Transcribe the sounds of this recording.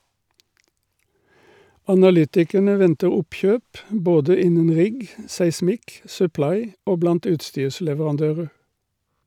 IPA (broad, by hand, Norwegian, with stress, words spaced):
ɑnɑˈlʏtɪkəɳə ˈʋɛntə ˈʊpˌçøːp ˈboːdə ˈɪnən ˈʁɪɡ sæɪˈsmɪk sʉˈplɑɪ ˈoː ˈblɑnt ˈʉːtˌstyːʁslɛʋəʁɑnˌdøːʁə